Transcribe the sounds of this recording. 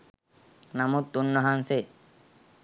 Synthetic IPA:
namut̪ːunːɔɦanse

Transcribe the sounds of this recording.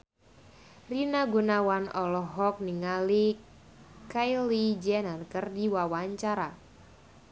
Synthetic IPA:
rinaɡunawanɔlɔɦɔk̚niŋali | kajlid͡ʒɛnarkərdiwawaɲt͡ʃaɾa

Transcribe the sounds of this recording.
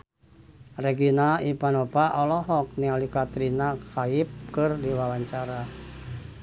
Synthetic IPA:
reɡinaipanopaʔɔlɔɦɔk̚nialikat̪ɾinakaɪp̚kɨrdiwawaɲt͡ʃaɾa

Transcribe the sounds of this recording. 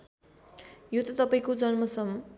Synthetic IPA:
jot̪ʌt̪ʌpaĩkod͡zʌnmʌsʌm

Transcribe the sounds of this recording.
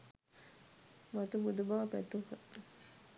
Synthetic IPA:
mɐt̪ubud̪ubaːpɛt̪uhɐ

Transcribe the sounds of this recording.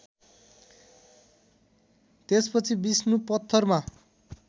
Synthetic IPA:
t̪espʌt͡sʰibisnupʌt̪ʰːʌrma

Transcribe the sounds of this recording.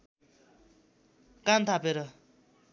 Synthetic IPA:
kamt̪ʰapeɾʌ

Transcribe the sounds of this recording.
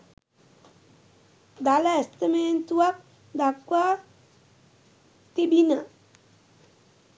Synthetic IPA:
d̪alɛst̪əment̪uak̚ | d̪akwa | t̪ibina

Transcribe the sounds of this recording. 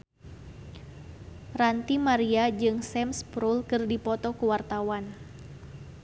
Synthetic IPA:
rant̪imaɾiad͡ʒɨŋsɛmspɾulkɨrdipɔt̪ɔkuwart̪awan

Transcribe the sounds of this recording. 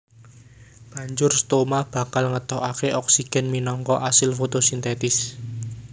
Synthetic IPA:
b̥ä̤ɲd͡ʒʊrst̪omab̥a̤kalŋət̪ɔɦakeʔɔksiɡ̥ɛ̤nminɔŋkɔʔasɪlfot̪osint̪ɛt̪ɪs

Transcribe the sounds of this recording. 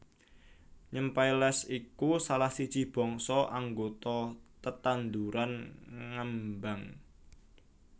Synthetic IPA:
ɲəmpajlɛsikusalahsit͡ʃib̥ɔ̤ŋsɔʔaŋɡot̪ɔt̪ət̪and̪uɾanŋəmbaŋ

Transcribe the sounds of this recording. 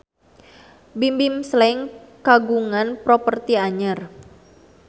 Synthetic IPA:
bimbimslɛŋkaɡuŋanpɾopərt̪iaɲər

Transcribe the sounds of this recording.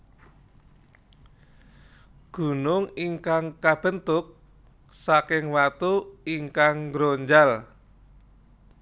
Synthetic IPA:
ɡ̥ṳnʊŋiŋkaŋkab̥ə̤nt̪ʊk̚ | sakɪŋwat̪uiŋkaŋɡɾoɲd͡ʒal

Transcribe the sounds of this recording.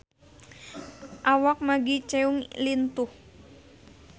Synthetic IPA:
ʔawak̚maɡit͡ʃɛuŋlint̪uh

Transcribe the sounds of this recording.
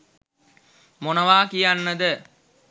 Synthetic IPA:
monəʋaːkijanːəd̪ə

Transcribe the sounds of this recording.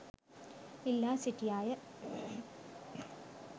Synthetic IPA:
ilːaːsiʈːijaːjɐ

